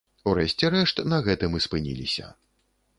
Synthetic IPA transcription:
uɾɛɕʲt͡sʲɛɾɛʂt̪nɐɣɛt̪ɨmɨspɨnʲḭlʲḭsʲɐ̰

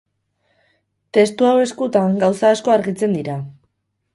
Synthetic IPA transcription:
t̪e̞st̪uawe̞skut̪aŋɡawsaːsko̞aɾɣit͡se̞nd̪iɾa

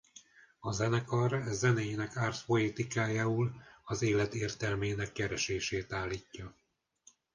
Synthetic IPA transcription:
ɒzɛnɛkɒrzɛnɛjinɛkaːrt̪po̞et̪ikaːjaːulɒzeːlɛt̪eːrt̪ɛlmeːnɛkːɛɾɛʃeːʃeːt̪aːlːiːcːɒ

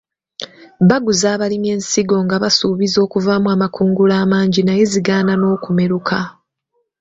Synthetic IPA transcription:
βaɡuzaːβalimje̞ːnsiɡo̞ŋɡaβasuːβizo̞ːkuvamuwaːmakuːŋɡulaːmaːɲɟinajeziɡaːnano̞ːkume̞ɾukʰa

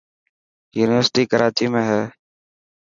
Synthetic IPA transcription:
juːnɪʋəɾsʈiːkəɾʔaːt͡ʃiːmẽːɦɛː

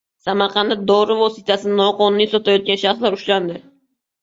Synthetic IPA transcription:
samaɾqʰɑnːɪd̪ɒɾɪvosit̪ʰasɪnnɒqɒnʊnisɒt̪ʰajɒt̪̚kʲanʃaχslaɾʊʃland̪ɪ

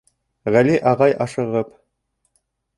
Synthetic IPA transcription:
ʁæliʔɑʁɑjʔɑʃɤ̆ʁɤp

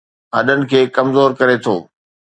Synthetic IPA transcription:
ɦɐ̰ɗənɪ̆kʰeːkɐmzoːɾkɐɾet̪ʰo̰ː

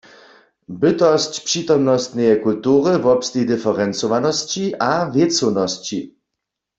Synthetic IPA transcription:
bɪt̪ɔst͡ɕpʂit̪ɔmnɔst̪nɛjɛkult̪uːʁɪvɔpst̪id̪ɨfɛʁɛnt͡sɔʋanɔst͡ɕiʔavjɛt̪t͡sɔnɔst͡ɕi

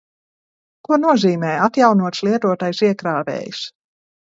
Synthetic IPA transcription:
kuɔnuɔziːmɛːjat̪jawnuɔt̪slˠiɛt̪uɔt̪ajsiɛkɾaːvḛːjus

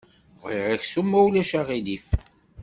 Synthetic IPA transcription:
vʁḭʁæçsumːæwlæʃaʁilif

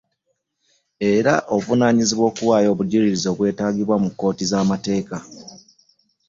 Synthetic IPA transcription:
e̞ɾaʔovunaːɲiziβwo̞ːkuwaːjo̞ːβuɟiliɾizo̞ːβwe̞ːtaːɡiβwamukːo̞ːtizaːmate̞ːka

